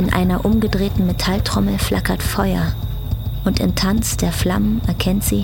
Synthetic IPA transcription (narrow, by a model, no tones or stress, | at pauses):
ɪnʔa̰ɪnɐʔʊmɡədʁeːtn̩metʰaltʁ̥ɔml̩flʔa̰kɐtfɔʏɐ̰ | ʔʊntɪ̰mtʰant͡sd̥eːɐfla̰mənɛɐkʰɛntz̥iː